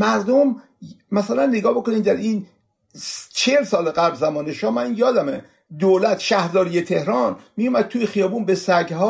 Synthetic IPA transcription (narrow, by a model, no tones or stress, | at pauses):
mæɾd̪om | mæsælænːeɡɒːbo̞koniːmd̪æɾiːn | t͡ʃʰelsɒːleɣæblzæmɒːneʃɒːmænjɒːd̪æme | d̪oːlæt̪ʰʃæhɾzɒːɾijet̪ʰehɾɒːnmiumæd̪̥̚t̪ʰuːjexijɒːbuːnbesæɡɦɒː